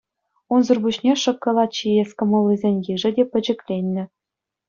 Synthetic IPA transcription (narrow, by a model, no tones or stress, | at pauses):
unzurbuɕnʲeʂɤ̆kːɤ̆lˠɑt̪̚t͡ɕiesʲkɤ̆mɤ̆lˠːizʲenʲjiʐɘ̆dʲepʲɘ̆d͡ʑɘ̆kʲlʲenʲːɘ̆